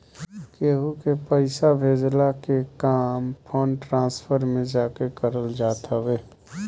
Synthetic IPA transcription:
keːɦukepəɪsabʱeːd͡ʒlakekaːmpʰoːnʈɾãːspʰəɾmẽd͡ʒaːkekəɾəld͡ʒaːt̪əʋeː

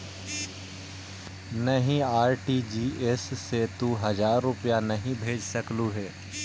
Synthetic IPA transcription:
nɐɦĩaːɾʈiːd͡ʒiːʔesːet̪uɦɐzaːɾːʊpijanɐɦĩbʱeːd͡ʒsɐkluɦɛː

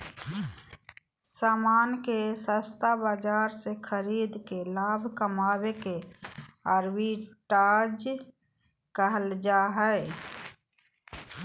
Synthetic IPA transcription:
saːmaːnkesə̃st̪abaːd͡ʒaːɾsekʰəɾiːd̪kelaːbʱkəmaːweke | əɾbiʈaːd͡ʒ | kəɦəld͡ʒaːɦɛ

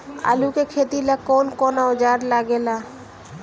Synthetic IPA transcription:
a̰ːlukekʰeːt̪ilakoːnkonaʊd͡ʒaɾlaɡela

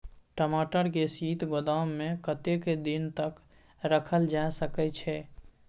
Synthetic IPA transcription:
ʈəmaːʈəɾkesiːt̪ɡod̪amːẽkət̪eked̪int̪ək | ɾəkʰəld͡ʒaesəkɛt͡ʃʰɛ

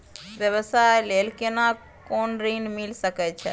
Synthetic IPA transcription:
bjəβəsaelelkena | konɾinmilsəkɛt͡ʃʰɛ̰

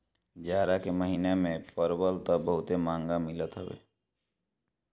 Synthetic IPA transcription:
d͡ʒaːɾakeməɦiːnemẽpəɾbəlt̪əbəɦʊt̪emãːŋɡamɪlət̪ɦəʋḛː

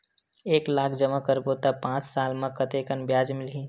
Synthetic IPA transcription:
eːklaːkʰd͡ʒəməkəɾboːt̪apãːt͡ʃsaːlmãkət̪ekənbjaːd͡ʒmɪlɦi

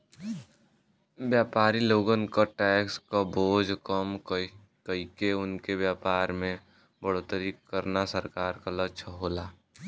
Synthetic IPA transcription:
bjaːpaːɾiloːɡənkaʈɛːkskaboːd͡ʒʱkəm | kəikeʊnkebjaːpaːɾmẽ | bəɽ̤ot̪əɾikəɾnasəɾkaːɾkalət͡ʃʰəɦoːlaː

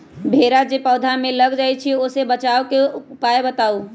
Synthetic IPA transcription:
bʱeːɾad͡ʒepɔːd̪ʱamẽləɡd͡ʒaːet͡ʃʰioːsebət͡ʃaːokeʊpaːebət̪aːu

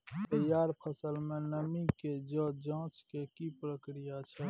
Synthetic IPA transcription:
t̪əjaːɾpʰəsəlmẽnəmiked͡ʒɔ̃d͡ʒãːt͡ʃkekipɾəkɾijat͡ʃʰɛ

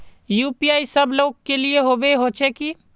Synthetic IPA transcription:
juːpiaːisəbloːɡ̚kelieɦobeɦoːt͡ʃʰeki

